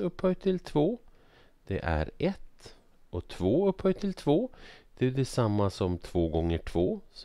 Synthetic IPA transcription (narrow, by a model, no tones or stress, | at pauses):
ɵpːhœʏt̪ʰɪlt̪ʰvoː | d̪̥ɛ̰ʔæ̰ɾɛt̪ | ɔt̪ʰvoːɵphœʏt̪ʰɪlt̪ʰvoːd̪̥ɛɖɛsamːasɔmt̪ʰv̥oːɡɔŋːəʈʰv̥oːs